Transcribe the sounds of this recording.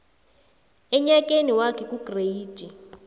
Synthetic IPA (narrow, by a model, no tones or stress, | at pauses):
ɛɲak̬ʼeniwakʰɛk̬ʼuɡ̥rei̥ːd͡ʒ̥ʱi